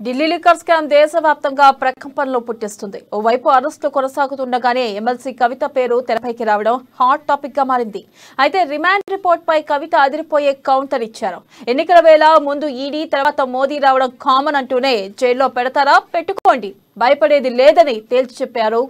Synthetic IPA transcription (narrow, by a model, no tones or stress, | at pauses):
ɖilːilikɐɾskaːmd̪ɛːʃɐʋjaːp̚t̪ɐŋɡaːpɾɐkɐmpɐnɐloːpuʈːist̪und̪iɔːʋɐjpuɐɾɐsʈlukɔnɐsaːɡut̪uɳɖɐɡaːne̞ːemelsiːkɐʋit̪ɐpe̞ːɾut̪ɛɾɐpɐjkiɾaːʋɐɽɐmhaːɾʈːaːpik̚ɡaːmaːɾind̪i | ɐjt̪e̞ːɾimaːɳɖɾipoːɾʈ̚pɐjkɐʋit̪ɐɐd̪iɾipo̞ːje̞ːkɐwɳʈɐɾit͡ʃːaːɾu | enːikɐlɐʋɛːlɐmund̪uiːɽiːt̪ɐɾɐʋaːt̪ɐmo̞ːd̪iːɾaːʋɐɽɐmkaːmɐnɐɳʈuːne̞ːd͡ʒɛjlo̞ːpɛɽɐt̪aːɾaːpe̞ʈːuko̞ːɳɖi | bʱɐjɐpɐɽe̞ːd̪ileːd̪ɐnit̪e̞ːlsu̥t͡ʃɛpːaːɾu